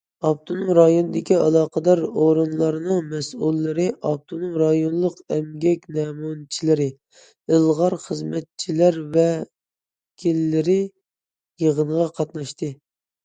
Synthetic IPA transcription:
ɑp̚t̪ʰunuɾɑjonɨd̪ɪkʲiɑlˠɑːqəd̪ɑɾoɾɨnlˠɑɾɨnɨŋmɛsulˠːɨɾɨʔɑp̚t̪ʰunuɾɑjonlˠəqɛmɡʲɛkʲnɛmunt͡ʃʰilɪɾɪ | ɪlˠʁɑɾχəzmɛt̪̚t͡ʃʰilæɾvɛ | kʲʰilːɪɾɪ | jəʁənʁɑqʰɑt̪nɑʃt̪ʰɨ

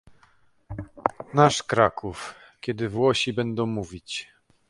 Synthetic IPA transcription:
naʂkɾakʰuf | kʲɛd̪ɘvwɔɕibɛnd̪ɔ̃w̃muvʲit͡ɕ

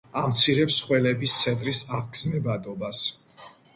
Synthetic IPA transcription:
amt̪sʰiɾɛpsχwɛlɛbist̪sʰɛnt̪ʼɾisaʁɡznɛbad̪ʼɔbas

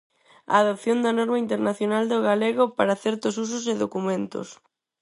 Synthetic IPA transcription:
a̰ːðopθjond̪ɐnɔɾmɐint̪eɾnaθjonald̪oɣaleɣ̞opaɾɐθɛɾt̪ʊs̬us̬ʊs̬eðokumẽnt̪ʊ̰s

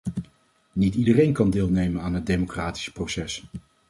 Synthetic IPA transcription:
nitidərejnkɑndɪːlˠnejmənaːnɦət̚dejmowkraːti̥sprowsɛs

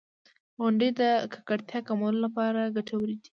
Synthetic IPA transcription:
ɣʊɳɖəjd̪əkʰḁkaɽt̪jɑkamawlolapɑɾaɡaʈʰawɾid̪i̥

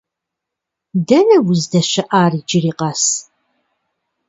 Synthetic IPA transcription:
dɐnɐwʊzdɐɕɐʔaːriːd͡ʒɪriːqɐs

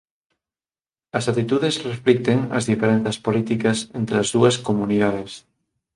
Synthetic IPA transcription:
ɐsat̪it̪uðesresflik̚t̪eŋɐ̰zðifeɾenθɐspolit̪ikɐsent̪ɾeɐzðuɐskomuniðaðes

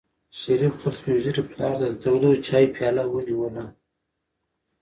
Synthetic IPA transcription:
ʃaɾifpəlt̪ʰelewiziɾiplɑɾd̪ad̪t̪awd̪ot͡ʃɑjpʰjɑlawəniwəla

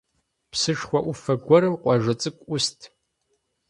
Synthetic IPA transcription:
pʰsɨʂχʷɐʔufɐɡʷɔɾɨmqʷʼɑʒɐt͡sʼɨkʷʼʊstʰʼ

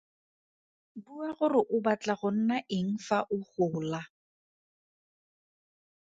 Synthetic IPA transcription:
buaɣʊrɪʔʊbat͡ɬʼaɣʊn̩naʔɪŋ̩faʔʊχʊːla

